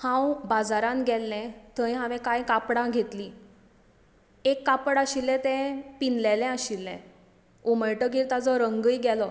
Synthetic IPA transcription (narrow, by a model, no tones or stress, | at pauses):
hãwbad͡zaɾãnɡɛlːɛ̃t̪ʰəĩɦãʋɛ̃kajkapɽãɡʱet̪li | ekːapəɽaɕilːɛ̃t̪ɛ̃pinlɛlɛ̃aɕilːɛ̰̃ | oməjʈəɡiɾt̪ad͡zɔɾəŋɡəjɡɛlɔ